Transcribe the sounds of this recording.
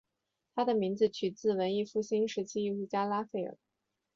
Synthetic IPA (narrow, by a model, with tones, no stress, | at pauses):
t̪ʰa˥d̪ə˨mi˧˥ŋd͡zɹ̩˧t͡ɕʰy˨˩t͡sɹ̩˥˩wə˧˥ni˥˧fu˥˩ɕi˥nʂɻ̩˧˥t͡ɕʰi˥i˥˩ʊu˥˩t͡ɕja˥la˥fe˥˩ɪə̰˨˩˦